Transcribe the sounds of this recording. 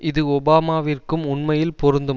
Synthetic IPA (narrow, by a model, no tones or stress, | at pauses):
ʔɪðɯɔbaːmaːʋɪrkɯmʊɳmɐjɪlpɔɾɯnd̪ɯ